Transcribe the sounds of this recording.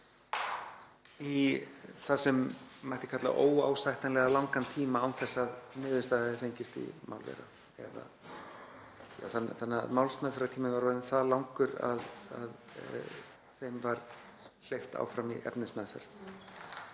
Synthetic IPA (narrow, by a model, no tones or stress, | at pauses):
iθasɛmːajht̪ɪ̥kʰat̪la̰ʔoːwa̰ːwsajht̪anlɛɣalawŋkant̪ʰiːmaawmθɛsːaðnɪːðɪst̪aðaðɪθejɲcɪst̪ḭmʔa̰wlvɛ̰ɾa̰ | ɛða̰ | ja̰wθanθanːamawlsmɛðθɛɾat̪ʰiːmɪnvaɾvaðɪnθalawŋkʏɾa̰ða̰ð | θejmvaɾ | l̥ejft̪a̰ːwfɾamḭʔɛ̰pnɪsmɛðfɛ̰ɾ̥t